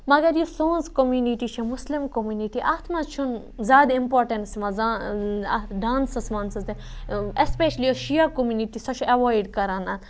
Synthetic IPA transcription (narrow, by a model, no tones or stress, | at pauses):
mɐɡɐɾjusõːnzkomjuniʈit͡ʃʰimuslimkomjuniʈiʔaːt̪ʰmɐt͡ʃʰun | zaːd̪ĩmpoːɾʈɐ̃nsmɐza | ɖaːnsɐsmɐnsɐzeespeʃɐliɔʃijɐkomjuniʈisɐt͡ʃʰɐʋajɖkɐɾanan